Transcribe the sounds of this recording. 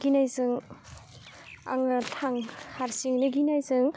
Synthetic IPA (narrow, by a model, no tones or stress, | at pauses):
ɡinajzɯŋ | a̰ŋatʰaŋhaɾsiŋniɡinajzɯŋ